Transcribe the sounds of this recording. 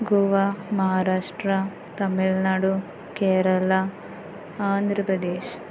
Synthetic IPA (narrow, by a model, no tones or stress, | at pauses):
ɡuʋamɐɦaːɾaːʂʈɾɐ | t̪ɐmiɭnaːɽu | keːɾɐla | aːnd̪ʱɾɐpɾɐd̪eːʃ